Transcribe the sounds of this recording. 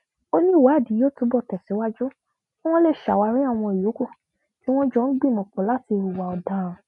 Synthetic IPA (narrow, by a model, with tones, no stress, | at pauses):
o˦nĩ˦˨wa˨˦˨di˨˦joː˦˨˦tũ˨˦bɔ˦˨tɛ˨sɛ˨˦wa˦d͡ʒu˦ | w̃ɔ̃˦le˧˨ʃa˨wa˨˧ɾi˦a˦˨w̃ɔ̃˧i˨jo˨˦ko˦˨ | ki˦w̃ɔ̃˦d͡ʒɔ˦n̩˦ɡ͡bĩ˦˨mɔ̃˨k͡pɔ̃˨˦la˦ti˧ɾu˨wa˨ɔ˨dã˨˦ɾ̃